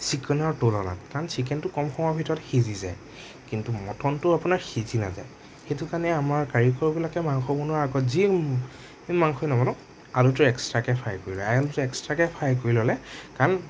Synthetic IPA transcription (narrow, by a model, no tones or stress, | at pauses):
sikɔnaɹtolɔna̰tkaɹɔnsik̬ɛntʊkɔmxɔŋɔbʱitɔɹɔtxeziza̰j | kintumɔtɔntʊapunaɹxizina̰za̰j | xejtʊkanɛamaɹkaɹikʰɔɹbilakɛmaŋxɔbɔnuaaɡɔtzi | maŋxɔjnɔmɔnɔ | alutʊɛkstɹakɛpʰajkoɹilɔajalutuɛkstɹakɛpʰajk̬oɹilɔlɛkaɹn